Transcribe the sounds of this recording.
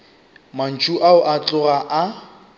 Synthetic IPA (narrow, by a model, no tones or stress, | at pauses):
man̩t͡ʃʼuʔaʊʔat͡ɬʼʊraʔa